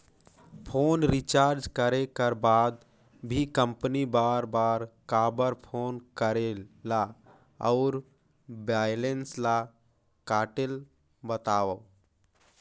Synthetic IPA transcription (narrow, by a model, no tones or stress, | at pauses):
pʰoːnɾit͡ʃaːɾd͡ʒkəɾekəɾbaːd̪ | bʱikə̃mpnibaːɾbaːɾkabəɾpʰoːnkəɾela | ɔʊɾ | baːjlensla | kaːʈel | bət̪aːʋə